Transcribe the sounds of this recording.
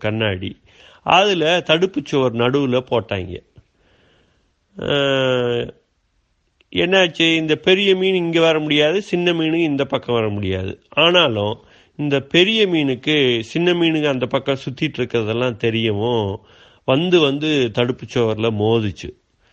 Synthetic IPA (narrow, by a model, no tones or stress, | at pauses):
kɐnːaːɽi | ɐðɪlɐt̪ɐɽɯpːɯt͡ʃːoːʋɐɾnɐɽɯʋɯlɐpoːʈːa̰ːŋɡɐ̰ | ɛnːɐt͡ʃːɯɪnd̪ɐpɛɾɪjɐmiːnɪŋɡɐʋɐɾɐmʊɽɪjaːðɯsɪnːɐmiːnɯkːɪnd̪ɐpɐkːɐ̃ʋɐɾɐmʊɽɪja̰ːðɯ̰ʔaːnaːlʊ̃ | ɪnd̪ɐpɛɾɪjɐmiːnɯkːɯsɪnːɐmiːnɯkːɯɐnd̪ɐpɐkːɐ̃sʊt̪ːɪʈːɪɾɯkːɯɾɐðɛlːãːt̪ɛɾɪjɐʋʊ̃ | ʋɐnd̪ɯʋɐnd̪ɯt̪ɐɽɯpːɯt͡ʃːoːʋɐɾlɐmoːðɯt͡ʃːɯ̰